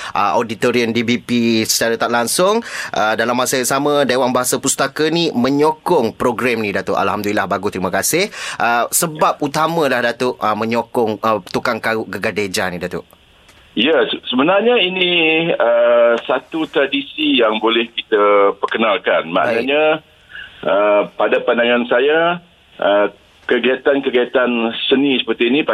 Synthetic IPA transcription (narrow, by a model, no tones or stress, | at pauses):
ʔə̰odit̪oɾiəndibipisə̥t͡ʃaɾət̪aʔlaŋsʊŋʔədalamːasəjasamə̃dewaŋbaɦasapust̪akənimə̃ɲokʊŋpɾoɡɾamnidat̪ʊʔa̰lhamd̪ulilahbaɡust̪ɾimə̃kasɪhʔəsəbap̚ut̪amə̃lahdat̪ʊʔəmə̃ɲokɔŋət̪ukaŋkaʊʔɡəɡaded͡ʒanidat̪ʊ̰ʔ | ijasəbənarɲainĩəsat̪ut̪ɾadisijaŋbolɛhkit̪əpərkənalkanma̰ʔnaɲa | əpadapandaŋãnsaja | ʔə | kəɡiat̪ankəɡaat̪ansənĩsə̥pərt̪iːnĩpa